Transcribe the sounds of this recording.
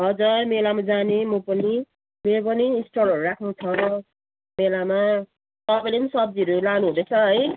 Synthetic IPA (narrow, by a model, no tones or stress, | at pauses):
ɦʌd͡zʌmelamad͡zanemʌpʌni | meɾop̬ʌniːsʈolʌɾuɾakʰnut͡sʰʌɾʌ | melama | t̪ʌpajlenisʌb̚d͡ziʌɾulanuɦũd̪et͡sʰʌɦʌj